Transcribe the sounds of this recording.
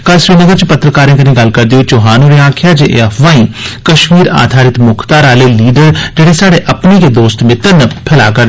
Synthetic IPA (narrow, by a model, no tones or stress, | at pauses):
kalsɾiːnəɡəɾt͡ʃpət̪ɾəkaːɾẽːk̪ənẽːɡəlkəɾd̪ioːt͡ʃoɦaːnũɾeaːkʰjaːd͡ʒeʔḛːəʋaːĩːkəʃmiːɾa̰ːd̪ʱaːɾɪt̪mʊkʰt̪aːɾaːleːliːɖəɾd͡ʒeːɽeːsaːɽeːʔəpneːked̪oːst̪mɪ̃t̪ənəpʰɪlaːkəɾ